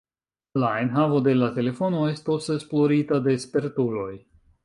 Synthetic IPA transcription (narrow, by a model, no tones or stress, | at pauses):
lae̞nɦavo̞de̞late̞le̞fo̞no̞e̞stose̞splo̞ɾitade̞spe̞ɾtulo̞j